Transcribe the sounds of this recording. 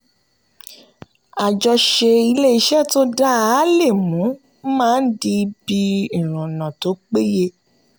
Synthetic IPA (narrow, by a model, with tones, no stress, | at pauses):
a˨d͡ʒɔ˧ʃe˧i˧le˦i˦ʃɛ˦˨to˦da˦a˨˦le˦˨mũ˨˦ | mãː˦n̩˦di˧bi˧i˨ɾ̃ũ˨nã˨to˨˦k͡pe˦je˧